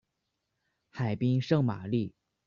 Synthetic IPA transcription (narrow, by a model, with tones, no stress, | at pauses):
xa˨˩ɪpi˥ŋʂɤ˥˧ŋma̰˨˩li˥˩